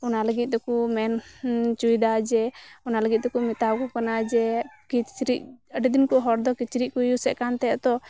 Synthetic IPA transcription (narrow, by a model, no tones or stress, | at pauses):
ɔnaləɡit̪̚d̪ɔkumɛnt͡ʃujd̪ad͡ʒɛɔnaləɡit̪̚d̪ɛkumɛt̪awkɔkanad͡ʒɛkit͡ʃɾiʔəɖɛd̪inkɔɦɔɾd̪ɔkit͡ʃɾiʔkujusɛʔkant̪ɛt̪ɔ